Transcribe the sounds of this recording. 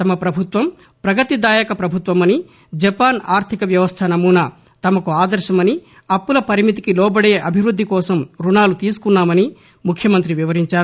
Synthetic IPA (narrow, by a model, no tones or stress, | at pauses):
t̪ɐmɐpɾɐbʱut̪ʋɐm | pɾɐɡɐt̪id̪aːjɐkɐpɾɐbʱut̪ʋɐmɐni | d͡ʒɐpaːnaːɾt̪ʰikɐʋjɐʋɐst̪ʰɐnɐmuːna | t̪ɐmɐkuaːd̪ɐɾʃɐmɐni | ɐpːulɐpɐɾimit̪̬ikilɔːbɐɽe̞ːʔɐbʱiʋɾud̪ʱːikɔːsɐmɾunaːlut̪iːsu̥kunːaːmɐni | mukʰːjɐmɐnt̪ɾiʋiʋɐɾiɲt͡ʃaːɾu